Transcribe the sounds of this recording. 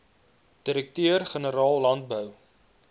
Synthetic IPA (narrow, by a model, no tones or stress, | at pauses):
d̥iɾəktøərχənəɾɑːlˠːɐnt̚bœw